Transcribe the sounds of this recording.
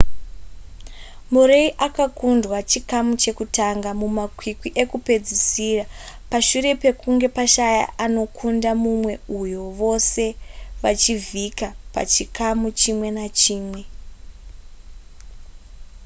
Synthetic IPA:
muɾe̞iʔakakundwat͡ʃikamut͡ʃe̞kutaŋɡamumakwikwiʔe̞kupe̞d͡zisira | paʃuɾe̞pe̞kuŋɡe̞paʃaja̰ʔano̞kʰundamumwe̞ujo̞ʋo̞se̞ʋat͡ʃivʱikapa̰t͡ʃikamut͡ʃimwe̞nat͡ʃiːmwe̞

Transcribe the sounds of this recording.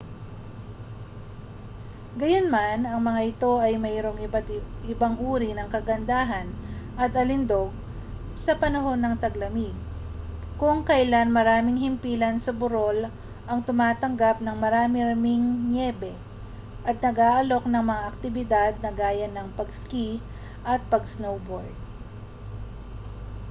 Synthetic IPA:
ɡɐjonmanɐŋmɐŋaʔɪt̪o̞ʔɐjmɛːɾo̞ŋt̪ʔɪbaŋʔuːɾinɐŋkɐɡɐnd̪aːɦɐnʔɐt̪ʔɐlɪnd̪o̞ɡ̚ | sɐpɐnɐɦo̞nːɐŋt̪ɐɡlɐmɪɡ̚ | kʊŋkɐjlanmɐɾaːmɪŋhɪmpiːlɐnsɐbʊɾo̞l | ʔɐŋt̪ʊmaːt̪ɐŋɡapnɐŋmɐɾaːmɪɾmɪŋnɛbɛ | ʔɐt̪̚nɐɡaːʔɐlo̞k̚nɐŋmɐŋaʔɐk̚t̪ɪbɪd̪ad̪̚nɐɡaːjɐnɐŋpɐɡski | ʔɐt̪̚pɐɡsnowboɹd̪̚

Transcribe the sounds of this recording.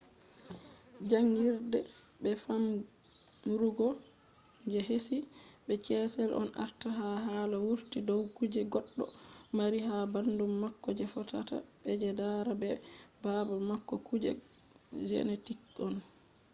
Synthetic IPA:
d͡ʒaŋɡiɾdɛ | bɛfam | ɾuɡɔ | d͡ʒɛɦesibɛt͡ʃɛːsɛlʔɔ̰nʔa̰ɾtaɦaɦaːlawuɾtidɔwkud͡ʒɛɡɔɗːɔmaɾiɦabandumːakːɔd͡ʒɛfɔta̰ta̰bɛd͡ʒɛdaɾabɛbabamakːɔkud͡ʒɛ̰ | d͡ʒɛ̰netikɔn

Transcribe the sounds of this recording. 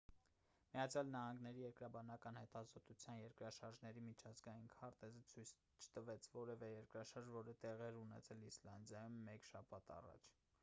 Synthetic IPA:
mijɑt͡sʰjɑlnɑhɑŋɡnɛɾijɛɾkɾɑbɑnɑkɑnhɛt̪ɑzɔt̪ut͡sʰjɑnjɛɾkɾɑʃɑɾʒnɛɾimit͡ʃʰɑzɡɑjinkʰɑɾt̪ɛzət͡sʰujt͡sʰ | t͡ʃʰə̥t̪əvɛt͡sʰvɔɾɛvɛjɛɾkɾɑʃɑɾʒvɔɾət̪ɛʁɛɾunɛ̰t͡sʰɛlislɑnd̪jɑjumːɛkʃɑpʰɑt̪ɑ̰rɑ̰t͡ʃʰ

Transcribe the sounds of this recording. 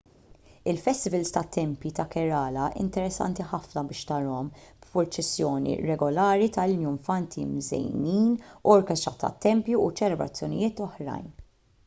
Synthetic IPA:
ɪlfɛst̪ɪvɛlst̪ɐt̪ːɛmpjit̪ɐkɛɾɐːlɐʔɪ̰nt̪ɛɾɛsːɐ̰nt̪iħɐfnɐbɪːʃt̪ɐɾɔmb̥pʊɾt͡ʃɛsːjɔːnḭɾɛɡɔlɐːɾit̪ɐlnjʊɱfɐnt̪ʰimzɛ̰jniːnuɔɾkɛst̪ɾɐt̪ɐ̰t̪ːɛmpjuut͡ʃɛlɛbɾɐ̰t͡sːjɔnɪ̰jɪːt̪ɔħɾɐ̰jn

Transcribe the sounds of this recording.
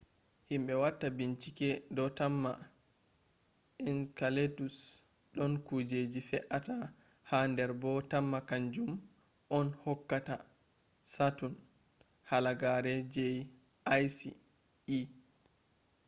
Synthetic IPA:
himbɛwatːabiɲt͡ʃikɛdɔtamːa̰ | ɛnkaletus | ɗɔnkud͡ʒed͡ʒifɛʔata | handɛɾbɔtamːakaɲd͡ʒum | ʔɔnhɔkːata | satun | halaɡaɾɛd͡ʒej | ajsḭ | i

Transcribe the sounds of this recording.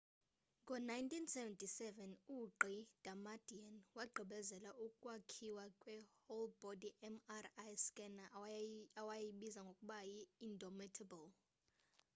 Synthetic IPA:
kʼɔnajntʼinsɛvɛntʰʼisɛvɛnuǃid̥ʱamad̥ʱianwaɡ͡ǃʱiɓɛzɛlaʔukʼwakʰiwakʼwɛholbɔdiʔɛmarajskʼɛnaawajjiɓizaŋɡʱokʼuɓajiːndʱɔmitʰabɔl

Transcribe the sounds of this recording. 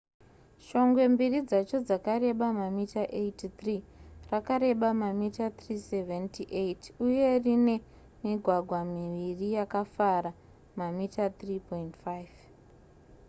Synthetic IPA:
ʃo̞ŋɡwe̞mbirid͡zat͡ʃo̞d͡zakaɾe̞ɓamamitaʔejtit̪rirakaɾe̞ɓamamitat̪riseventiʔejtuje̞rine̞ | miɡʱwaɡʱwamiʋirijakafaɾa | mamitat̪ripointfajv

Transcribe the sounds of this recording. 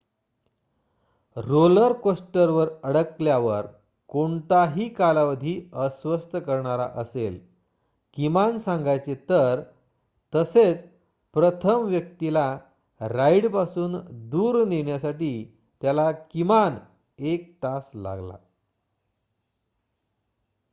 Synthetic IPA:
ɾoləɾkosʈəɾʋəɾəɽəkljaʋəɾ | koɳt̪aɦiːkalaʋəd̪ʱiːəsʋəst̪əkəɾɳaɾa̰ʔəsel | kimansãŋɡajt͡set̪əɾ | t̪əset͡s | pɾət̪ʰəmʋjəkt̪ila | ɾaiɽpasuːnd̪uːɾneɳjasaʈiː | t̪jalakiman | ek̚t̪asla̰ɡla̰

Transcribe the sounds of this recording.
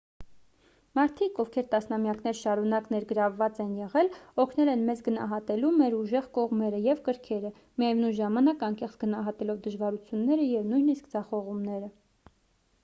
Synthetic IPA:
mɑɾt̪ʰikɔvkʰɛɾt̪ɑsnɑmjɑknɛɾʃɑɾunɑknɛɾɡəɾɑvːɑt͡sɛnjɛʁɛlɔkʰnɛlɛnmɛt͡sɡənɑ̰ɦɑt̪ɛlumɛɾuʒɛʁkɔʁmɛɾəjɛvkəɾkʰɛɾə | mijjɛvnujʒɑmɑnɑkɑŋkɛχt͡sɡənɑɦɑt̪ɛlɔvd̪əʒvɑɾut͡sʰjunːɛɾəjɛvnujniskd͡zɑχɔʁumnɛɾə

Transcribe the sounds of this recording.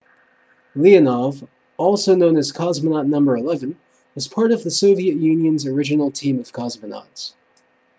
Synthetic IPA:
liɨnɑv | ɔlˠsoʊnõʊ̃nɨz̥kʰɑzmənɑtⁿnʌ̃mbə˞ɨlɛvɨ̃n | ʌz̥pʰɑɹɾʌvðɨsoʊviɨʔ̚jʉ̃njɨ̃nzə˞ɪd͡ʒɨnl̩ˠtʰĩmʌv̥kʰɑzmɨnɑ̰ts

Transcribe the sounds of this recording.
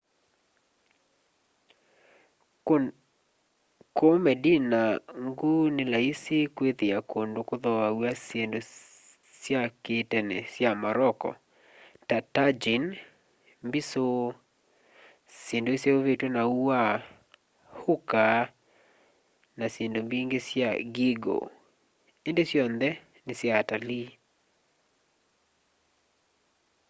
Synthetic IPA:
komɛdinaŋɡunɪlaisikweðiakʰondokoðɔawasjendo | sjaketɛnɛsjamaɾɔkɔ̰ | tatad͡ʒin | mbiso | sjendoesjeovetwonauwa | hʊka | nasjendombiŋɡesjaɡiɡo̰ | endesjɔnd̪ɛ | nɪsjaːtali

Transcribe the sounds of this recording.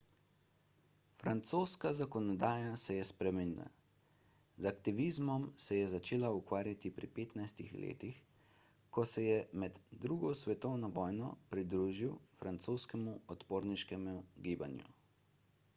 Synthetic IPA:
fɾant̪soːskazakɔnɔd̪aːjasɛjɛspɾɛmɛniːla̰ | zakt̪iʋizmɔmsɛjɛzat͡ʃeːlaukʋaːɾjat̪ipɾḭpeːt̪najst̪ḭxlḛːt̪ix | kɔsɛjɛmɛd̪ːɾuːɡɔsʋɛt̪ɔwnɔʋɔːjnɔ̰pɾid̪ɾuːʒiwfɾant̪soːskɛmuɔt̪poːɾniʃkɛmuɡiːba̰njṵ

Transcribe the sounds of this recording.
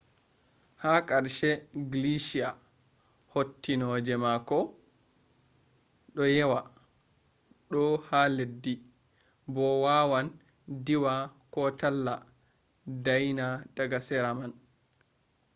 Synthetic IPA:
hakʼaɾʃɛɡliʃia | hotːinɔd͡ʒɛmakɔ | ɗɔjɛwa | ɗɔhaledːi | bɔwawan | diwakɔtalːa | dajnad̥aɡasɛɾaman

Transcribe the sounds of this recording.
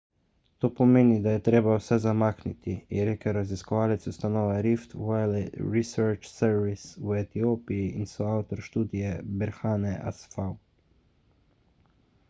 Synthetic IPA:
t̪oːpɔmeːnid̪ajɛt̪ɾeːbawsɛzamaːknit̪iiɾeːkɛɾaziskɔʋaːlɛt̪sust̪anɔːʋaɾift̪wajlɾisɛɾt͡ʃsɛɾʋiswɛt̪ijoːpijiinsɔawt̪ɔɾʃt̪uːd̪ijɛbɛɾxaːnɛʔa̰sfaw

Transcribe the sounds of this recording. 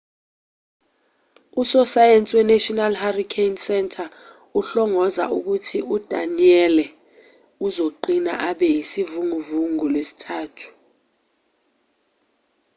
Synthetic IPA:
usɔsajent͡sʼwɛnatʼɔnalharikʰensɛntʰʼa | uɬɔŋɔza̰ʔuk̬utʰiud̥ʱa̰niɛlɛ | uzoǃina̰ʔaɓɛjisivuŋuvuŋulesi̥tʰaːtʰu̥

